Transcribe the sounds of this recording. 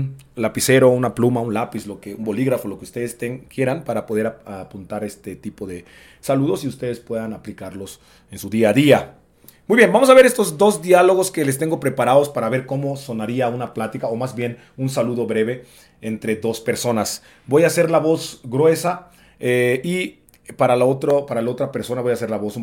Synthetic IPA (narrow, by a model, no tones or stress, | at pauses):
un | lapise̞ɾo̞unaplumaunlapislo̞keumbo̞liɣɾafo̞lo̞keust̪e̞ðest̪eŋkje̞ɾanpaɾapo̞ð̞e̞ɾaapunt̪aɾe̞st̪et̪ipo̞ðe̞ | saluðo̞siust̪e̞ðe̞spwe̞ðanaplikaɾlos | ensuðiaðia | mujβjenbamosaβe̞ɾe̞st̪o̞zd̪o̞zd̪jalo̞ɣo̞ske̞lest̪e̞ŋɡo̞pɾe̞paɾaðo̞spaɾaβe̞ɾko̞mo̞so̞naɾiaunaplat̪ikaomazbje̞n | unsaluðo̞βɾe̞βe̞ | ent̪ɾe̞ðo̞spe̞ɾso̞nas | bo̞jase̞ɾlaβo̞zɡɾwe̞sa | ei | paɾalaot̪ɾopaɾalaot̪ɾape̞ɾso̞naβo̞jase̞ɾlaβo̞su